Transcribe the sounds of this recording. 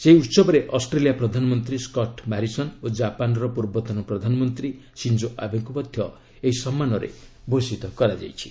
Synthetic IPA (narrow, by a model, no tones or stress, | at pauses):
seiut̪sɔbɔɾeʔɔsʈɾelijapɾɔd̪ʱanɔmɔnt̪ɾiskɔʈmaɾisɔnod͡ʒapanɔɾɔpuɾbɔt̪ɔnɔpɾɔd̪ʱanɔmɔnt̪ɾi | sind͡ʒoʔa̰bɔŋkupɔd̪ʱjɔ | eɦisɔmːanɔɾḛbʱosit̪ɔkɔɾad͡ʒa̰jt͡ʃʰi̥